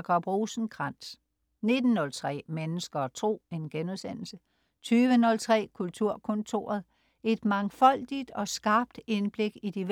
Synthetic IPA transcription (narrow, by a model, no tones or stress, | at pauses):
ɡ̥ɒb̥ʁoːsn̩kʰʁɑn̰s | ne̝d̥n̩nɔ̽lt͡sʰʁɛ̰ːmenəsɡ̥ɐt͡sʰʁo̝̰ːe̝nɡ̥enuðˠsen̰l̩sə | t͡sʰyːʋənɔ̽lt͡sʰʁɛ̰ːkʰult͡sʰuɐ̰kʰɔ̽nt͡sʰo̝ɐð̞̩ˠ | e̝d̥mɑ̈ŋfɒ̽l̰d̥id̥ɒ̽sɡ̥ɑ̈ːb̥̚d̥e̝nb̥le̝ɡ̥id̥iʋ